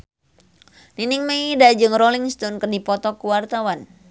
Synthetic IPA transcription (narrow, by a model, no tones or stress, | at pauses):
ninɪŋmedad͡ʒɨŋroliŋst̪ɔnkərdipɔt̪ɔkuwart̪awan